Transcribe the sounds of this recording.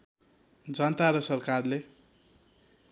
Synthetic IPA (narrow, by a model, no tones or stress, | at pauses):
d͡zʌnʌt̪aɾʌsʌrkarle